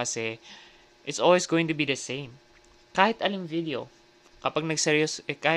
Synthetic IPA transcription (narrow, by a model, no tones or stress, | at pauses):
ɐsɛ | ʔɪt̪sʔolwisɡoːwɪ̃ŋt̪ʊbid̪ɐsẽjm | kaːhɪt̪ʔɐliŋvid̪eo̰ | kɐpaɡ̚nɐɡ̚sɛɾjosɛkaːh